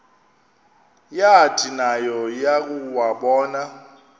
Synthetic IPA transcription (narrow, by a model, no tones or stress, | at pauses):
jatʰinajɔjak̬ʼuwaɓɔːna